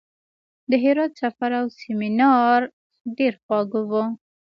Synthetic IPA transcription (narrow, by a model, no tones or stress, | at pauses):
d̪əɦɪɾɑd̪safaɾawsemɪnɑɾ | ɖeɾxwɑɡowu